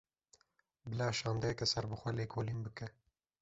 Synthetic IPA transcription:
bɨlɑːʃɑːnd̪ɛjɛkɛsɛɾbɨxʷɛleːkʰoːlinbɨkɛ

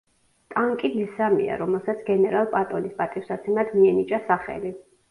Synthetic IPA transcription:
t̪ʼaŋkʼilisamḭa̰ɾɔmɛlˠsat̪sʰɡɛnɛɾalˠpʼat̪ʼɔlispʼat̪ʼifsat̪sʰɛnad̪miɛnit͡ʃʼasaχɛ̰li

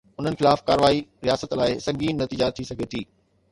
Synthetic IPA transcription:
ʊn̤ənɪ̆xɪlaːfkaːɾʋaːiɾijaːsət̪laːɪsɐ̃ŋɡiːnːɐt̪iːd͡ʑat̪ʰisɐɡʱet̪ʰiː

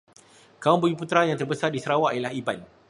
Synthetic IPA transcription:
kaʊnbəɡiput̪ɾajaŋt̪ərbəsardisəɾawaʔajalahiba̰n

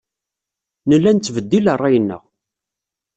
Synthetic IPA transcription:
nəlːænt͡sːvəd̪ːilərˤːɑjənːə̰ʁ

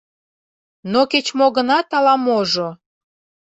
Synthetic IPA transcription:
noket͡ɕmoɣənɑt̪ɑlɑmoʒo

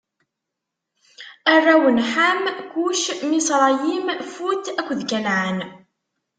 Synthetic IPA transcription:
arːæwənħamkuʃmisˤɾˤɑjimfuθækʷːðkælʕən

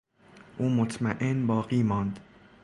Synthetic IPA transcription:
ʔuːmot̪ʰmæʔenbɒːɢiːmɒːnd̪

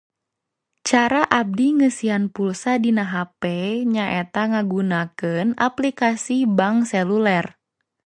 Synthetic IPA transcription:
t͡ʃaɾaʔab̚diŋəsianpulsadinaɦapɛɲaʔɛt̪aŋaɡunakɨna̰plikasibaŋsɛlulɛr

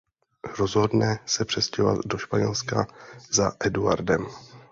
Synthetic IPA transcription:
ɾozɦo̞dnɛsɛpr̥ɛscɛɦova̰t̪do̞ʃpaɲɛlskazaʔɛdua̰ɾdɛm

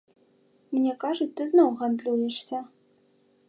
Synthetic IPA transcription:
mnʲɛkaʐut͡sʲt̪ɨznɔwɣand̪lʲujɛʂsʲɐ

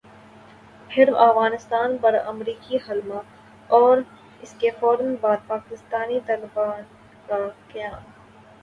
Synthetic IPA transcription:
pʰɪɾɐ̰fɣaːnɪst̪aːnpɐɾɐ̰mɾiːkiɦɐlma | ɔːɾ | ɪskefɔːɾənbaːd̪̚paːkɪst̪aːnit̪aːlɪbaːn | kakjaːn

